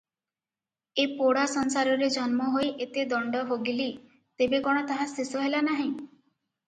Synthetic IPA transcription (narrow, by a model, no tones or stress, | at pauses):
epoɽasɔnsaɾɔɾed͡ʒɔnmɔɦojʔet̪ed̪ɔɳɖɔɦoɡili | t̪ebekɔɽ̃ɔt̪aɦasesɔɦelanaɦĩ